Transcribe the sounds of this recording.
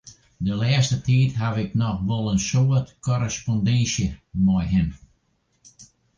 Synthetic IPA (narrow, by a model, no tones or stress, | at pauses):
dəlɛəstətʰiːtɦavɪknɔxʋɔlˠənsoətkʰɔɾəspɔndɛnsjəmɔjɦɪn